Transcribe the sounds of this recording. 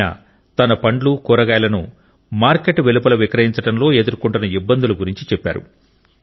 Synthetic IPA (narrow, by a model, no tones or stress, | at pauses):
ɐ̰ | t̪ɐnɐpɐɳɖlukɔːɾɐɡaːjɐlɐnṵ | maːɾkeʈʋelupɐlɐʋikɾɐɦiɲt͡ʃɐʈɐmlo̞ːed̪uɾkuɳʈɐnɐibːɐnd̪uluɡuɾiɲt͡ʃit͡ʃɛpːa̰ːɾṵ